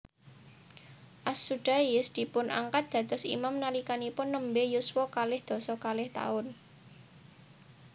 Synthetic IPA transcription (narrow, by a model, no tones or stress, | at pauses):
ʔasuɖ̥a̤jɪsd̪̥i̤pʊnʔa̰ŋkat̪̚d̪̥ä̤t̪ɔsḭmamnalikanipʊnːəmbejuswɔkalɪhd̪̥ɔ̤sɔkalɪht̪a̰ʊn